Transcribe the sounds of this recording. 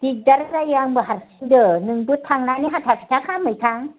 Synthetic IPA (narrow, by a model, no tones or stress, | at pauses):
d̪ik̚daɾɯɾajaŋbəɦaɾsindɯnɯŋbɯt̪ʰːaŋnaniɦat̪ʰapʰi̥t̪ʰakʰamɯjt̪ʰaŋ